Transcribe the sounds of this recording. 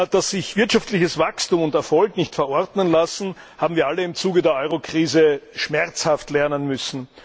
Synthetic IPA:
d̥asɪçv̥ɪɐtʃaftlɪçəsv̥akstuːmʊntɛɐfɔlknɪçtfɛɐʔɔɐdnənlasn̩ | haːbm̩viːɐʔaləɪmt͡suːɡədeːɐʔɔʏʁokʁ̥iːzəʃmɛʁt͡shaftlɛɐnənmʏsn̩

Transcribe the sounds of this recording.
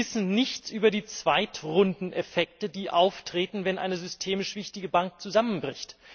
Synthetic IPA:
ɪsn̩nɪçt͡sʔyːbɐdiːt͡sv̥aɪtʁʊndn̩ʔɛfɛk̚tədiːʔaʊftʁ̥eːtn̩vɛnʔa̰ɪnəzʏstʰeːmɪʃv̥ɪçtɪɡəbaŋk̚t͡suzamənbʁɪçt

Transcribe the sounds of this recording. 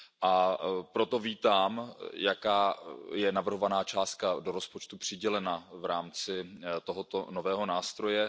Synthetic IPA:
ʔapɾo̞t̪o̞viːt̪aːmjakaːjɛnavr̩ɦo̞vanaːt͡ʃaːst̪̚kadoɾo̞spo̞t͡ʃt̪upr̥ɪɟɛlɛnavɾaːmt͡sɪt̪oɦot̪onovɛːɦo̞naːst̪ɾo̞jɛ

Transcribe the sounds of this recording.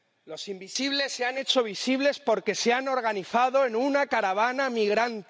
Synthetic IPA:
lo̞simbisiβle̞sːeane̞t͡ʃo̞β̞isiβ̞le̞spo̞ɾke̞seano̞ɾɣ̞aniθaðo̞e̞nunakaɾaβ̞anamiɣɾant̪

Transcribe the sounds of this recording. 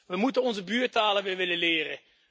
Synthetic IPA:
ʋəmutənɔnzəbyːtaːləʋɪʋɪləlɪːrə

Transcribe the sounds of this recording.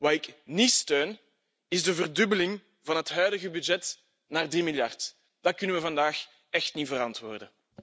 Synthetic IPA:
ʋaːɪknistøːn | ɪzdəvərdʏbəlɪŋ | vɑnɦətɦœːdəɣəbyd͡ʒɛt | naːrdimɪljɑrt | d̥ɑkʏnəʋəvɑndaːx | ɛxtnivəɾɑntwoːrdə

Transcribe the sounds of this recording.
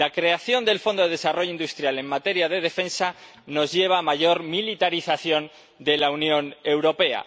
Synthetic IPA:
lakɾe̞aθjo̞nd̪e̞lfond̪oðe̞ðe̞saro̞ʝoind̪ust̪ɾjale̞ŋmat̪e̞ɾjað̞e̞ð̞e̞fe̞nsa | no̞zʝe̞β̞amaʝo̞ɾmilit̪aɾiθaθjo̞n | d̪e̞launjo̞ne̞wɾo̞pe̞a̰

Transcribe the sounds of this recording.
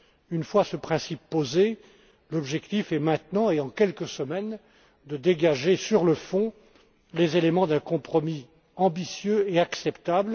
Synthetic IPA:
ynfwasəpχɛ̃sipːoze | lɔbʒɛkt̪ifɛmɛ̃t̪nɑ̃eɑ̃kʲɛlkəsəmɛn | d̪əd̪eɡaʒesyʁləfɔ̃ | lezelemɑ̃d̪ɛ̃kɔ̃pχɔmi | ɑ̃bisjøeaksɛpt̪abl

